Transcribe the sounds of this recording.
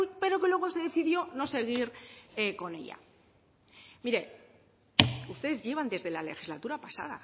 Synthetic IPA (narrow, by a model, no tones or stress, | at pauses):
pe̞ɾo̞ke̞lwe̞ɣ̞o̞se̞ðe̞θiðjo̞no̞se̞ɣ̞iɾeko̞ne̞̰ʎa̰ | miɾe̞ | ust̪e̞ðezʝe̞β̞and̪e̞zðe̞lale̞xizlat̪uɾapasa̰ða̰